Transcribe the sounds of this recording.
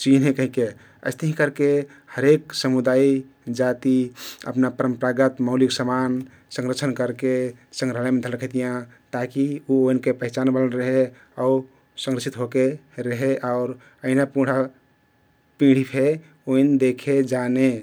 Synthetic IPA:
t͡ʃinɦẽkəɦĩke | ə̰ɪst̪əɦĩkəɾke | həɾeksəmud̪ai | d͡ʒat̪iə̰pnapəɾəmpɾaɡət̪məʊliɡsəman | sə̃ŋɾət͡ʃʰənkəɾkesə̃ŋɡɾəɦlajmẽd̪ʱəlɾəkʰet̪ijã | t̪akiuoinkepəɦɪt͡ʃanbələɾəɦe | au | sə̃ŋɾəsʰit̪ɦokeɾəɦeʔaʊɾ | əinapũɽ̤a | pĩɽ̤ipʰe | oind̪ekʰed͡ʒane

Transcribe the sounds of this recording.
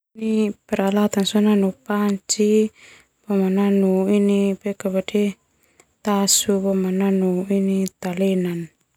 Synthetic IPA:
nipɛɾalat̪ansɔnanupaɲt͡ʃi | bɔmananuinipɛkabade | t̪asubɔmananuinit̪alɛnan

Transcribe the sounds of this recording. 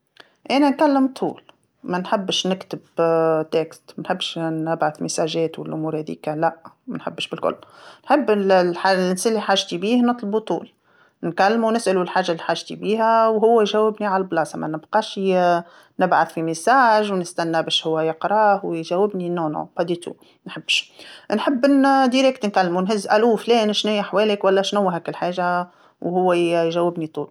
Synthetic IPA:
ʔænænkælːɪmt̪ˤʰṵːl | mænħɪbːʃnɪkt̪ɪbt̪ɛkst̪mænħɪbːʃnɪbʕaθmɪsaːʒɛːt̪wɪlʔʊmuːɾhɛðḭːkalæʔmænħɪ̰bːʃbɪlkʊ̰lːnħɪbːllħalʔɪnsælːiħaːʒt̪ibiːhnɨt̪ˤlbut̪ˤṵːl | nkælːmunɪsʔlulħaːʒːalːiħaːʒt̪ibiːɦæwɦʊwːæjʒæwːɪbniʕalblɑːsɑmæ̰nɪbqɑːʃ | nɪbʕaθfimɪsaːʒwnɪst̪ænːæbɛːʃhʊwːæjəqɾˤɑːhwjʒæwːɪbninʊːnʕṵbɑd̪it̪ṵ | nħəbːʃnħɪbːnd̪iɾɛkt̪nkalːmunɦɪzːʔæluflɛːnʃnæjaħwɛːlɪkwælːæʃnʊwːɦæːkɪlħaːʒa | whʊwːæjʒæwːɪbnit̪ˤṵːl

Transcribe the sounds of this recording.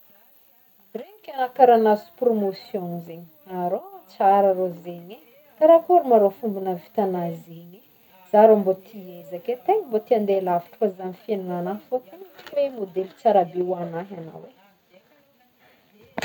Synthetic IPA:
rekʲanakaɾanasi̥u̥promosjõnizeɲi̥aɾot͡saɾaɾozeɲe | kaɾakuɾimaɾofumbunəvi̥t̪anazeɲi | z̥aɾombot̪ʰiezakʲet̪eɲimbot̪iand̪elaviʈ͡ʂu̥kazanifianunanafokutimemod̪elit͡saɾabewanaɦana̰we

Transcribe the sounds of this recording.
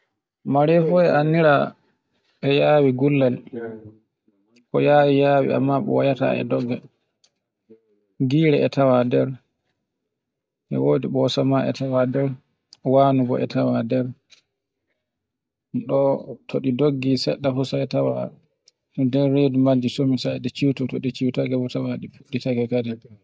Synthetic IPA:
maɾɛfɔɛʔanːiɾa | ʔɛjaːwiɡulːal | kɔjaːwijaːwḭa̰mːaɓɔ̰wajata̰ɛ̰dɔɡːɛ | ɡiːɾɛɛtʰawadɛɾ | ʔɛ̰wodiɓɔsamaʔɛ̰tawadɛɾ | waːnubɔʔɛ̰tawadɛɾ | nɗɔtʰoɗidoɡːisɛɗːaɦusaɛtawa̰ | dɛɾedumad͡ʒːisomisadɛt͡ʃiwtɔtoɗit͡ʃiwtaɡɛbɔtawaɗipuditaɡɛkadi

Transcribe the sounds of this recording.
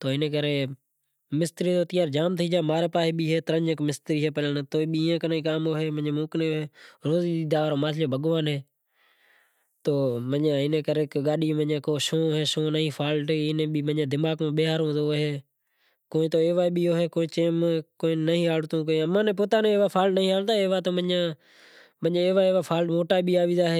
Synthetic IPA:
t̪oːɪnẽːkəɾeː | mɪst̪ɾiːt̪oːt̪ɪjaːɾd͡ʒaːmt̪ʰiːd͡ʒaːmaːɾeːpaːɦiːɓiːɦeːt̪əɾəɲəkmɪst̪ɾiːɦeːpələnːt̪oːɓiɪːãːkənaːiːkaːmoːɦeːmə̃ɲẽːmũːkneːoɦeːɾoːziːiːd̪aːʋaːɾoːmaːt͡ʃʰljoːbʱəɠʋaːnɦeː | t̪oːməãːɪnẽːkəɾeːkɡaːɗiːməjãːkoːʃõːoɦeːʃõːnəɦĩːpʰaːlʈːɪnẽːɓiːmənãːd̪ɪmaːɡmãːɓeːɦaːɾɦõːd̪oːɦeː | koːĩt̪oːeːʋaːɓiːoːɦeːkoːĩːt͡ʃeːmkoːĩːnəɦĩːɦaːɽt̪õːk̬ːẽəmãːnẽːpoːt̪aːnẽːeːʋaːpʰaːlʈnəĩːɦaːlt̪aːeːʋaːt̪oːmənãː | mə̃ːeːʋaːeːʋaːpʰaːlʈmoːʈaːiːɓiːaːʋĩːd̪aːɦeː

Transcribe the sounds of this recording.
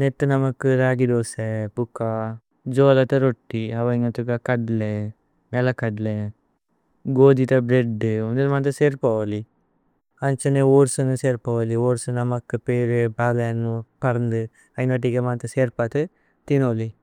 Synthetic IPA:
net̪ːɨnɐmɐkːɨɾaːɡid̪oːsepukːa | d͡ʒoːlɐt̪ɐɾoʈːiɐʋɐŋɐt̪ukɐkɐɖle | mɛlɐkɐɖle | ɡoːd̪it̪ɐbɾeɖːɨond̪enmant̪ɐseːɾpɐʋɐli | ɐnt͡ʃɐneoːɾsunuseːɾpɐʋɐlioːɾsunɐmɐkːɨpeːɾebaːɡɐjɐnːupɐɾɐnd̪ɨ | ɐjnɐʈ̬ːikemaːnt̪ɐseːɾpat̪ɨ | t̪inoːli

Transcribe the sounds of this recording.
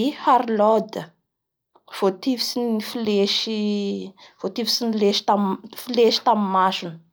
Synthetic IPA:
ihaɾlɔd̪ə | v̥ot̪ivisinifileʃi | v̥ot̪ivisinileʃi̥t̪amfileʃi̥t̪amimaʃunə̥

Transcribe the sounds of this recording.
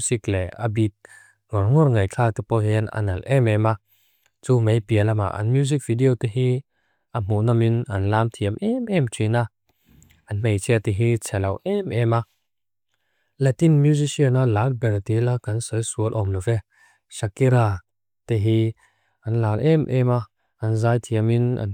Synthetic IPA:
ziklɛa̰bit̪̚ | ŋɔrŋɔrŋɐjkʰat̪upɔhɛna̰nɐlʔɛmɛma | t͡sumejpiəlama̰ʔɐ̰nmjuzik̚vidiɔt̪ihi | am̥uʔnaminɐnlaːmt̪ʰiəmʔɛmʔɛmt͡sʰina | anmejt͡sʰiət̪iɦit͡sʰɛlɐwʔɛmɛma | lat̪inmjuzisiənalan̚bɛɾt̪ilakansɯjsuəlʔɔmlɔvɛ | sakiɾa | t̪iɦi | anlalʔɛmʔɛma | anzaːjt̪ʰiəmina̰n

